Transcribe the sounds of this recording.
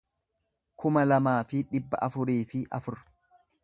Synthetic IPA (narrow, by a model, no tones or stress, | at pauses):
kʊmɐlɐmaːfɪᶑɪbːɐ̰ʔɐfʊɾiːfɪʔɐfʊɾ